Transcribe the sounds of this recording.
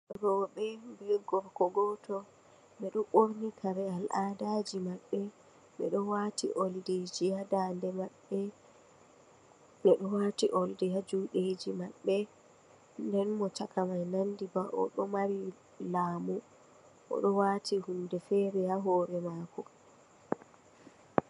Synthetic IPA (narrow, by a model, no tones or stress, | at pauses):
ɾɔːɓɛbɛɡɔɾkɔɡɔtɔ | ɓɛɗɔʔoɾnikʰaɾɛalʔaːdad͡ʒimaɓːɛ | ɓɛ̰ɗɔwaːtḭʔolded͡ʒijadaːndɛmaɓːɛ | ɓɛɗɔwatiʔɔldɛjad͡ʒuɗed͡ʒimaɓːɛ | ndɛnmɔt͡ʃakʰamajnandibaʔɔ̰ɗɔmaɾi | laːmu | ʔɔ̰ɗɔwaːtʰihundɛfɛːɾɛhaɦɔːɾɛmaːkɔ